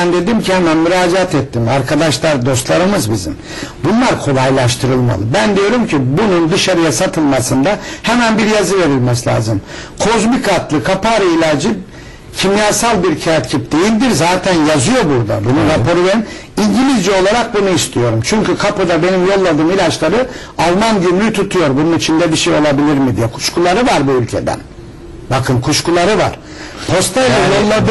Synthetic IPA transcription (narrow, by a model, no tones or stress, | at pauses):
nd̪e̞d̪imcʰihɛmænmyɾaːd͡ʒeat̪ɛt̪ʰːimaɾkʰad̪aʃlˠaɾd̪o̞st̪lˠaɾɯmɯzbizḭm | bunlˠaɾkʰo̞lˠajlˠaʃt̪ʰɯɾɯlˠma̰lˠɯbænd̪ijo̞ɾumcʰibunund̪ɯʃaɾɯjasat̪ʰɯlˠmasɯnd̪ahɛmænbiɾjazɯve̞ɾilʲmɛslʲa̰ːzɯmkʰozbikʰat̪lˠɯkʰapaɾɯilʲad͡ʒi | cʰimjaːsalˠbiɾcʰaat̪cʰip̚d̪̥e̞jilʲd̪iɾzaːt̪ʰænjazɯjo̞buɾd̪a̰bunuɾapʰo̞ɾuveɾin | iɲɟilʲizd͡ʒio̞lˠaɾak̚bunuist̪ʰijo̞ɾumt͡ʃʰyɲcykʰapɯd̪abe̞nimjo̞lˠːad̪ɯːmilʲat͡ʃlˠaɾɯ | alˠmanɟymlʲyt̪ʰut̪ʰujo̞ɾbununit͡ʃʰind̪ɛbiʃejo̞lˠabilʲiɾmid̪ijɛkʰu̥ʃkulˠaɾɯvaɾbuylʲcʰe̞̰d̪æ̰n | bakʰɯnkʰuʃkulˠaɾɯva̰ɾ̥ | pʰo̞st̪ʰalʲajolˠːad̪